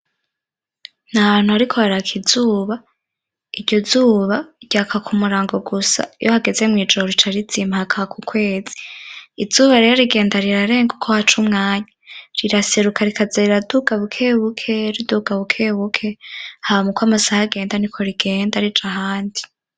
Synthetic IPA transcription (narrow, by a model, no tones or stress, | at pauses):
naβaːn̥huaɾikʰo̞haɾakʰiz̥uːβa | iɾɟo̞zuːβaɟ̥aːkʰakʰumuɾaːŋɡoɡusa̰johaɡe̞ze̞mŋiːd͡ʒoɾit͡ʃaɾizimahakʰaakʰukʰwe̞ːz̥i̥iz̥uːβaɾeɾoɾiɡe̞ːndaɾiɾaɾe̞ːŋɡukʰohat͡ʃumŋaːɲaɾiɾase̞ɾukaɾikazeiɾaduɡaβukʰe̞ːβukʰeɾiduɡaβukʰe̞ːβukʰe̞hamukwamasahaɡe̞ːndanikʰo̞ɾiɡe̞ːndaɾid͡ʒahaːndi